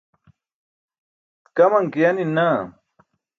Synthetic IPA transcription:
t̪kɐmɐŋkijɐnina

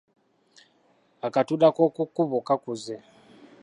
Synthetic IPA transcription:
akatuɗakokukuβokakuzɛ

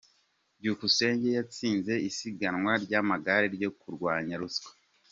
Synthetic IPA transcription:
ɟukuse̞ːɲɟejat͡siːnze̞isiɡanŋwaɾɟamaɡaɾeɾjo̞kuɾɡwaːɲaɾuskwḁ

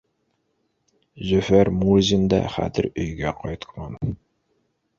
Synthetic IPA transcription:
zøfæɾmuzind̪ɛ̰χæ̰t̪ɪɾøjɡʲɛqʰɑjt̪ʰqmɑn

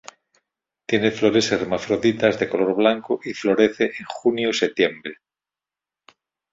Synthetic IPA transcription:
t̪jeneflo̞ɾeseremafɾoðit̪azðekoloɾβlaŋkoʔiflo̞ɾeθeʔeŋxunjoset̪jembɾe

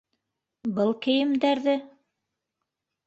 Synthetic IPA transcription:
bɤlˠkɘ̆jɘ̆md̪æɾðɘ

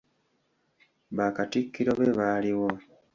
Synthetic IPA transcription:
βaːkatikːiɾo̞βeβaliwo̞

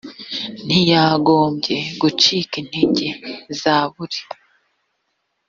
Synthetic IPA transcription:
n̥ijaɡo̞ːmbɟe̞ɡut͡ʃiːkin̥hiɲɟezaːβuɾi̥

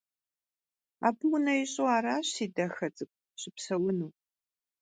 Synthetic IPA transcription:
a̰ːbɨwʊnɐjɪɕʼowaːɾaːɕsiːdɐxɐt͡sʼɨkʷʼ | ɕɪpsɐwʊnuː

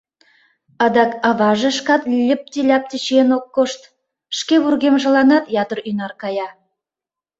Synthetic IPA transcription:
ɑd̪ɑkɑβɑʒĕʃkɑt̪lʲə̆p̚t̪ʲilʲɑp̚t̪it͡ɕenokːoʃt̪ | ʃkeβurɣemʒə̆lɑnɑt̪jɑd̪ərynɑrkɑjɑ

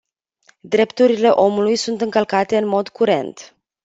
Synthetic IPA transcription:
d̪ɾe̞pt̪uɾile̞ʔo̞mulujsunt̪ɨŋkəlkat̪e̞ɨnmo̞d̪kuɾe̞̰nt̪

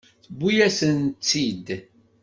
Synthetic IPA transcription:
θbːujæsənt͡sːid̪

